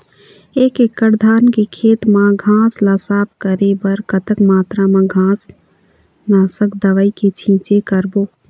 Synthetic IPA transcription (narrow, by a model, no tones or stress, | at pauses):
eːkekːəɾd̪ʱaːnkekʰeːt̪mãɡʱãːslasaːpkəɾebəɾkət̪əkmaːt̪ɾamãɡʱãːs | naːsəkd̪əʋəiket͡ʃʰĩːt͡ʃekəɾboː